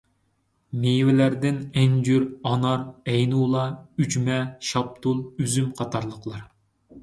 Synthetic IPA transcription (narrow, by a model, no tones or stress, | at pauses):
mewɪlæɾd̪ɪnɛnd͡ʒyɾɑnɑɾɛjnulˠɑyd͡ʒmɛʃɑp̚t̪ʰulˠyzymqʰɑt̪ʰɑɾlˠəqlˠɑɾ